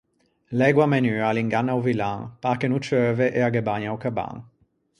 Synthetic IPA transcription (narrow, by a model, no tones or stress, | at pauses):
lɛɡwamɛnyːaliŋɡanːawvilãŋpakenut͡ʃøːveʔeaɡɛbaɲawkaba̰ŋ